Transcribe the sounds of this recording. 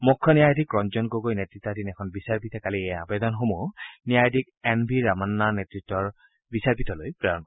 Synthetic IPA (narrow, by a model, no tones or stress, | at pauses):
mukʰːɔnijajdʱikːɹɔnzɔnɡoɡojnetɹitːadinɛkʰɔnbisaɹpitɛkaliejaabed̪ɔnxomunijajdʱik̚ | ɛnbʱiɹamanːanetɹitːɔɹ | bisaɹpitɔlojpɹɛjɔnk